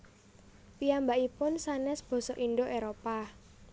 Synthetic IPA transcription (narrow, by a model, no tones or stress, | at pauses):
piambaʔipʊnsanɛsb̥ɔ̤sɔʔinɖoʔeɾopa